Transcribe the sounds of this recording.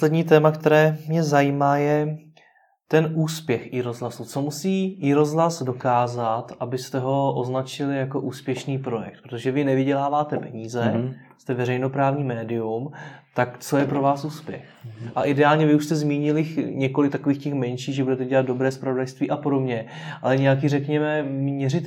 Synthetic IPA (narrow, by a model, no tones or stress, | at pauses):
oslɛdɲiːt̪̬ɛːmakt̪ɛɾɛːmɲɛzajiːmaːjɛ | t̪ɛnʔuːspjɛxʔɪɾo̞zɦlasut͡somusiːɪɾo̞zɦlasdo̞kaːzat̪ʔabɪst̪ɛɦo̞ʔoznat͡ʃɪlɪjako̞ʔuːspjɛʃniːpɾo̞jɛ̰kt̪̚pɾot̪oʒɛvɪnɛvɪɟɛlaːvaːt̪ɛpɛɲiːzɛ | st̪ɛvɛɾɛjno̞pɾaːvɲiːmɛːdɪumt̪akt͡so̞jɛpɾo̞vaːsʔuːspjɛ̰xʔaʔɪdɛaːlɲɛvɪuʃst̪ɛzmiːɲɪlɪxɲɛko̞lɪkt̪akoviːxcɛxmɛnʃiːɣʒɛbudɛt̪ɛɟɛlad̪̚do̞bɾɛːspɾavodajst̪viːʔapo̞do̞bɲɛ | alɛɲɛjakiːrɛkɲɛmɛmɲɛrɪt̪